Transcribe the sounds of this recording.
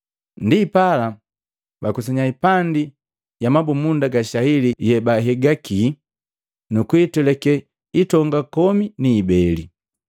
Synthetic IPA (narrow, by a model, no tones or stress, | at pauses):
ndipala | bakus̬ɛɲaipandi | jamabumundaɡaʃahilijɛbaɦɛɡaki | nukuitulɛkɛ | itɔŋɡakɔminiːbɛli